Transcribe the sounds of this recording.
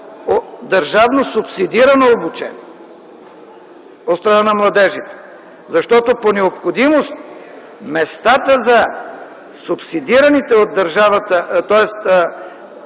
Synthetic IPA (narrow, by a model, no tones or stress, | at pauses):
od̪ɐɾʒavnosʊpsid̪iɾɐnoːbut͡ʃɛ̰n | ot̪st̪ɾɐnanɐmlˠɐd̪ɛʒit̪ɛ̥ | zɐʃt̪ɔt̪oponɛopxod̪imost̪ | mɛst̪at̪əzɐ | sʊpsid̪iɾɐnit̪ɛod̪ːɐɾʒavɐt̪ət̪ɔɛst̪